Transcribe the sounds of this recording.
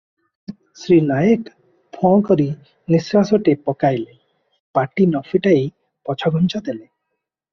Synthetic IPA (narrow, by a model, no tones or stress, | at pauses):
sɾinajeʈ | pʰɔ̃kɔɾi | nisɾasoʈepɔkajle | paʈinɔfiʈaej | pɔt͡ʃʰɔɡʱɔnt͡ʃɔd̪ele